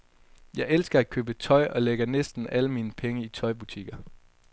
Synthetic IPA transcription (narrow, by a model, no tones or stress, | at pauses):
jɑ̈ɪelsɡ̥ɐæ̥kʰø̰ːb̥ət͡sʰɒ̽ɪʔɒ̽leɡ̥ɐnesd̥n̩ʔæləmiːnəpʰeŋəit͡sʰɒ̽ɪb̥ut͡sʰiɡ̥ɐ